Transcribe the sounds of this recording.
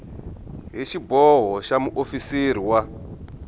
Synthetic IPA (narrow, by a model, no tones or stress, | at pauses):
ɦeʃibʱoɦoʃamuʔofisiɾiwa